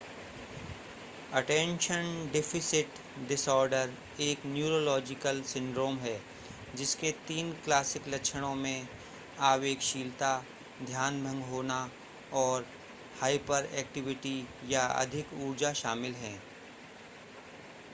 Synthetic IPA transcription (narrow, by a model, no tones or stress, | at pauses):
ɐʈɛ̃ːnʃənɖeːfʰɪsɪʈ | ɖɪsɔːɾɖəɾ | eːknjuːɾoːlɔːd͡ʒɪkəlsɪ̃ɳɖɾoːmɦɛː | d͡ʒɪsket̪iːnklaːsɪklɐkʃʰəɽ̃õmẽ | aːʋeːkʃiːlt̪a | d̪ʱjaːnbʱə̃ŋɡɦoːna | ɔːɾ | haːɪpəɾɛ̰ːk̚ʈɪʋɪʈijaɐ̰d̪ʱɪkuːɾd͡ʒaʃaːmɪlɦɛ̃ː